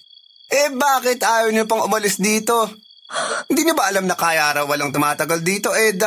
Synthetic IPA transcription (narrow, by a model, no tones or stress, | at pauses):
ʔɛbaːkɪt̪ʔaːjowɲopɐŋʔʊmɐlɪsd̪iːt̪o̞ | hɪnd̪iːɲobɐʔɐlamnɐkaːjɐɾɐwːɐlɐŋt̪ʊmaːt̪ɐɡɐld̪iːt̪o̞ʔɛd̪ɐ